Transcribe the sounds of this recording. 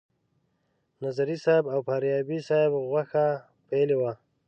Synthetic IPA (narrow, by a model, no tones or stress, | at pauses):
nazaɾisabawpaːɾjɑbisaebɣwaxa | pajlewa